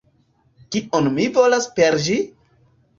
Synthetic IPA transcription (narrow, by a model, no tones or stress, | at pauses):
kiʔonmivo̞laspeɾd͡ʒi